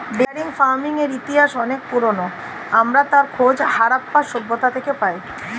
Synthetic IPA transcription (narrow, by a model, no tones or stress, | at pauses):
ɖeaɾiŋfaɾmiŋeɾit̪iɦaʃɔnek̚puɾono | amɾat̪aɾkʰod͡ʑhaɾapːaʃobːot̪at̪ʰekepaj